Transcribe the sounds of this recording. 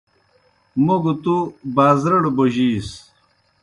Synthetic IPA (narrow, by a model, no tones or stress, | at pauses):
muɡt̪ubaːzɾɐɽboʑiːs